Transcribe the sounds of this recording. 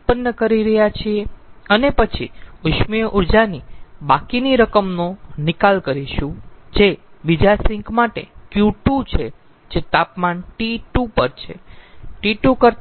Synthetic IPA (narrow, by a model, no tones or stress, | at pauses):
pənːəkəɾiɾəɦjat͡ʃʰieənepət͡ʃʰḭʊʃmiʔuɾd͡ʒanibakiniɾəkəmnonɪkalkəɾiʃũd͡ʒebid͡ʒasɪ̃ŋkmaʈḛkjuʈut͡ʃʰe | d͡ʒet̪apmanʈiʈupəɾt͡ʃʰḛʈiʈukəɾt̪